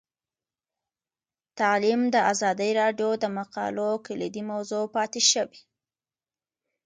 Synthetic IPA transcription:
t̪alimd̪əazɑd̪əjɾɑɖjod̪əmaqɑ̰lokəlid̪imawzopɑt̪eʃəwi

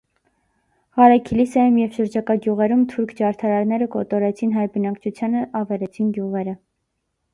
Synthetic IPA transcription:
ʁɑɾɑkʰilisɑjumjɛvʃəɾd͡ʒɑkɑɡjuʁɛɾumt̪ʰuɾkʰd͡ʒɑɾt̪ʰɑɾɑɾnɛɾəkɔt̪ɔɾɛt͡sʰinɦɑjɾbənɑkt͡ʃʰut͡sʰjɑnəʔɑvɛlɛt͡sʰinɡjuʁɛɾə

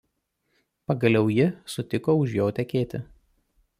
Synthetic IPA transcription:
pɐɡɐlʲɛʊjɪsʊt̪ʲɪkoːʊʒjoːt̪ʲɛkʲeːt̪ʲɪ

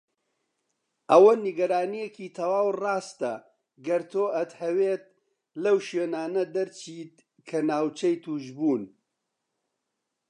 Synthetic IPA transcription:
ʔɐwɐniɡɐɾaːnijekiːt̪ʰɐwaːwrɑːst̪ɐ | ɡɐɾt̪ʰoːʔɐt̪hɐweːt̪̚ | lɐwʃweːnaːnɐd̪ɐɾt͡ʃʰiːt̪ | kʰɐnaːwt͡ʃɐjt̪ʰuːʒbuːn

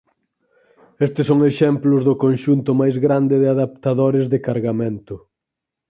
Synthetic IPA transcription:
est̪ɪsoŋeʃɛmplʊzðʊkonʃunt̪ʊmajzɣɾand̪ɪðɪaðap̚t̪aðoɾɪzðɪkaɾɣamẽnt̪ʊ

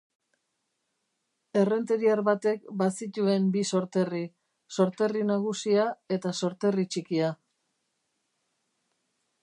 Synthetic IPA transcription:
e̞re̞nt̪eɾiaɾβat̪e̞kbasit̪ue̞mbiso̞ɾt̪e̞ri | so̞ɾt̪e̞rinaɣ̞usiae̞t̪aso̞ɾt̪e̞rit͡ʃikia

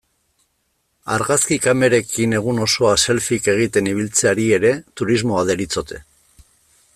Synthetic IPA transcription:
a̰ɾɣaskikame̞ɾe̞kʰine̞ɣ̞uno̞so̞ase̞lfike̞ɣ̞it̪e̞niβ̞ilt͡se̞aɾie̞ɾe̞t̪uɾizmo̞aðeɾit͡so̞t̪ʰe̞

